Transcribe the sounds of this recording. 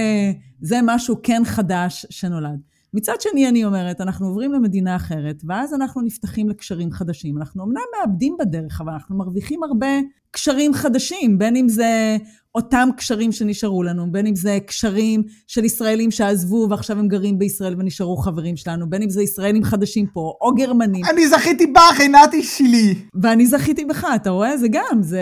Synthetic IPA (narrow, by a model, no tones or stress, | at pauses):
zemaʃuke̞nχadaʃːe̞no̞lad | mit͡sad̪ʃenianio̞me̞ʁetanaχnuovʁimleme̞dinaːχe̞ʁe̞tveazanaχnunift̪aχimlekʃaʁimχadaʃimanaχnuomnamːeabdimbade̞ʁeχavalanaχnumaʁviχimaʁbe̞ | kʃaʁimχadaʃimbe̞nimze̞ | o̞tamkʃaʁimʃeniʃaʁulanube̞nimze̞kʃaʁimʃe̞lisʁae̞limʃeazvuveaχʃavhemɡaʁimbeisʁaʔe̞lve̞niʃaʁuχave̞ʁimʃe̞lanube̞nimzeisʁaelimχad̪aʃimpo̞ʔoɡe̞ʁmanianizaχit̪ibaχenat̪iʃiliveanizaχit̪ibeχaːtaʁo̞ezeɡamze